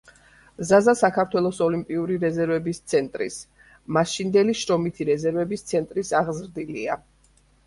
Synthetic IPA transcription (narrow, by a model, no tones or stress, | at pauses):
zazasakʰaɾt̪ʰwɛlˠɔsɔlimpʼiuɾiɾɛzɛɾvɛbist̪sʰɛnt̪ʼɾḭs | maʃind̪ɛliʃɾɔmit̪ʰiɾɛzɛɾvɛbist̪sʰɛnt̪ʼɾisaʁzɾd̪ilia